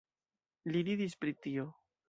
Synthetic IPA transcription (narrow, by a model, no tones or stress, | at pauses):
liɾid̪ispɾit̪io